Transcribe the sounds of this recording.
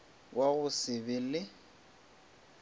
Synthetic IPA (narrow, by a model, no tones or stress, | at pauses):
waɣʊsɪbɪlɪ